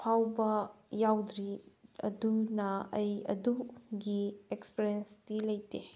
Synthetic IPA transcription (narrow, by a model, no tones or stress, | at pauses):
pʰawbɐjawdɾiɐ̰dunɐɐjɐ̰duɡiekspeɾienstilɐjte